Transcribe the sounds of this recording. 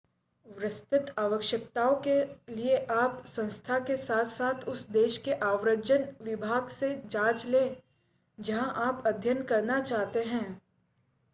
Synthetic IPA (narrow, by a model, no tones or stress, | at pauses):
ʋɾɪst̪ɪt̪aːʋəkʃjək̚t̪aːõkelieʔaːpsɐ̃nst̪ʰakesaːt̪ʰsaːt̪ʰʊsd̪eːʃkeʔaːʋɾəd͡ʒd͡ʒənʋɪbʱaːɡsed͡ʒaːt͡ʃlẽː | d͡ʒɐɦãʔaːpɐd̪ʱjənkɐɾnat͡ʃaːɦt̪eɦɛ̃ː